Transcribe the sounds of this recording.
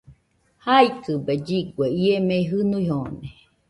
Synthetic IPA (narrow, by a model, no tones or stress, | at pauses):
haikɨbed͡ʒiɡweiemeiɦɨnuihone